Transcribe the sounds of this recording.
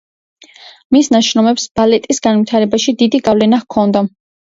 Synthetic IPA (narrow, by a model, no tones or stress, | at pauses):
misnaʃɾɔmɛpsb̥alɛt̪ʼisɡanvit̪ʰaɾɛbaʃid̪id̪iɡavlɛnaχkʰɔnd̪a